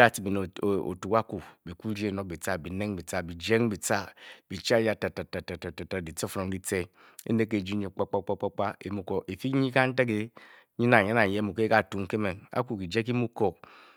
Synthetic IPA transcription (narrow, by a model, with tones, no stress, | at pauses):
a˦ti˨bi˨n˨o̰˨tu˨ka˦ku˨bi˨ku˦ɾi˦e˦˨no˨k̚bi˨t͡sa˦bi˨ne˦ŋbi˨t͡sa˦bi˨d͡ʒe˦ŋbi˨t͡sa˦b̥i˨t͡ʃa˦ja˦ta˨ta˨ta˨ta˨ta˨ta˨ta˨di˨t͡so˦fɾo˨n˦di˦t͡se˦ | ḛ˦ne˦ke˨d͡ʒi˦ɲe˨k͡pa˦k͡pa˦k͡pa˦k͡pa˦k͡pa˦e˨mu˨ko˨e˨fi˦ɲi˦ka˦n̩˦te˦k̬e˦ | ɲi˦na˨ɲa˦na˨je˦mu˨ke˦ka˨tu˨˦ŋ˦ke˦me˨na̰˦ku˦˨ki˨d͡ʒe˦k̬i˦mu˦ko˨